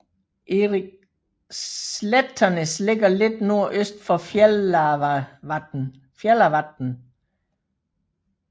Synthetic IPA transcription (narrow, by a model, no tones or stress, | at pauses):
ʔeʁi | ledʰɐnəsleɡ̥ɐle̝d̥no̝ɐ̰ʔøsd̥fɒ̽ | fjelɐʋɑd̥n̩